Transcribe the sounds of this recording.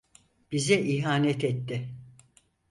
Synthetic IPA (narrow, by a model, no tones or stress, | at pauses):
b̥izɛʔiɦaːnɛt̪ʰɛt̪ːɪ